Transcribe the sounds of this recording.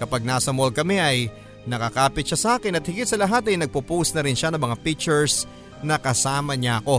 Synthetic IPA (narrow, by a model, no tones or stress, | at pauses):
kɐpaɡ̚naːsɐmol̚kɐmɛʔɐj | nɐkɐkaːpɪt̪̚ʃasɐʔaːkɪnɐt̪hɪɡit̪̚sɐlɐɦat̪ɐjnɐɡ̚pupusnɐɾɪnʃanɐŋmɐŋapik̚t͡ʃɛɹs | nɐkɐsaːmɐɲaʔɐko̞